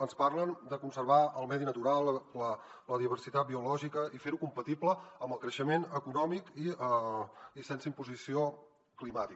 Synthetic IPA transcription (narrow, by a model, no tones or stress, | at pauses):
ənsparlənd̪əkunsərβaəlˠmɛðinət̪uɾalˠlə | ləðiβ̞ərsit̪at̪̚biulɔʒikəifeɾukumpət̪ipləəmbəlˠkɾəʃəmenəkunɔmikiəisɛnsəimpuzisio | klimat̪ik